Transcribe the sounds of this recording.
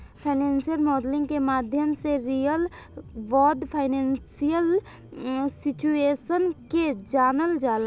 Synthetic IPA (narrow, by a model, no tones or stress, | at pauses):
pʰaɪnɛ̃ːnsijəlmɔːdlɪ̃ŋɡkemaːd̪ʱjəmseɾiːjəlʋɔːd̪pʰaɪnɛ̃ːnsijəl | sɪt͡ʃueːʃənked͡ʒaːnəld͡ʒaːla